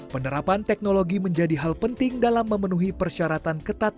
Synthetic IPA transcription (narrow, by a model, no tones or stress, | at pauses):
pənəɾapant̪ɛk̚noloɡiməɲd͡ʒadiɦalpənt̪ɪŋdalamːəmənuɦipərʃaɾat̪ankət̪at̪̚